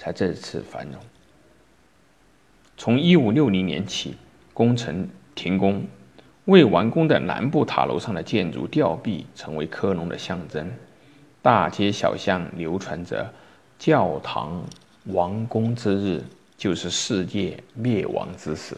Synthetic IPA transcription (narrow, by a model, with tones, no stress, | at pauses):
t͡sʰa˧˥ɪʈ͡ʂɤ˥˧˥t͡sʰɹ̩˥˩fa̰˧˥nnʊ˧˥˦ŋ | t͡sʰʊ˧˥ŋi˥u˨˩ljo˥˩ʊni˧˥njɛ̰˧˥nt͡ɕʰi˨˩ | kʊ˥ŋʈ͡ʂʰɤ˧˥ŋt̪ʰi˧˥ŋkʊ˥ŋ | we˥˩ɪwa˧˥ŋkʊ˥ŋd̪ə˨˩na̰˧˥npu˥˩t̪ʰa̰˨˩lʔo̰˧˥ʊʂɑ˥˩ŋd̪ə˩t͡ɕjɛ˥˩nʈ͡ʂṵ˧˥t̪jɑ˥˧ʊpi˥˩ʈ͡ʂʰɤ˧˥ŋwe˧˥ɪkʰɤ˥nʊ˧˥ŋd̪ə̰˧ɕjɑ˥˩ŋʈ͡ʂə˥ŋ | t̪a˥˩t͡ɕjɛ˥ɕjɑ̰˨˩ʊɕjɑ˥˩ŋljo˧˥ʊʈ͡ʂʰwa˧˥nʈ͡ʂɤ̰˧˩ | t͡ɕjɑ˥˩ʊt̪ʰɑ̰˧˥ŋ | wɑ˧˥ŋkʊ˥ŋt͡sɹ̩˥ɻɻ̩˥˩ | t͡ɕjo˥˧ʊʂɻ̩˥˧ʂɻ̩˥˧t͡ɕjɛ˥˧ljɛ˥˩wʔɑ̰˧˥ŋt͡sɹ̩˥ʂɹ̩˨˩˦